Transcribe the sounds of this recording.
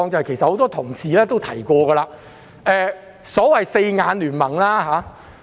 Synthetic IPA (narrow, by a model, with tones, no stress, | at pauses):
ŋt͡sɐ˨˧hke˨˩jsɐt̚ho˨˥wt̪ɔː˥t̪ʰʊ˨˩ŋsiː˨lɛː˥t̪o˥wt̪ʰɐ˨˩jkɔː˧ɡə˧laː˧ | ʔɛː˨˧ | sɔː˨˥wɐ˨jse˧jŋaː˨˧nlyː˨˩nmɐ˨˩ŋlaː˥ɦaː˨˥